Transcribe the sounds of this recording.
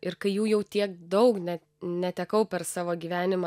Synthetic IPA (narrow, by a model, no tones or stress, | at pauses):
ɪɾkɐɪjuːjɛʊt̪ʲiɛk̚d̪ɐʊknʲɛ | nʲɛt̪ʲɛkɐʊpʲɛɾsɑːʋoːɡʲiːʋʲæːnʲɪmɑ